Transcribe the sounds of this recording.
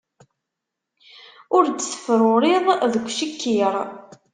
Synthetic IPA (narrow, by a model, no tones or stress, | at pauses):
ʊɾd̪sə̥fɾʊɾɪðˤðəkʷːʃəkʰːiɾˤ